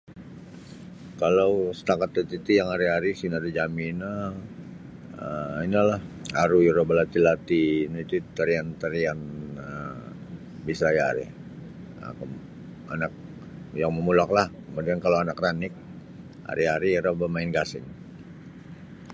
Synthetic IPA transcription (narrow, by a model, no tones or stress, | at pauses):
kalawsə̥t̪akat̪lət̪it̪ijaŋaɾiɦaɾisinadid͡ʒamina | əinalahaɾuiɾabalat̪ilat̪init̪ut̪əɾiant̪əɾianə | bisajaɾḭ | ə̰kə | a̰nak̚ | jaŋməmulaklahkəmudiankalawanakranɪk̚ | ha̰ɾiɦaɾiɾabamaɪnɡasɪŋ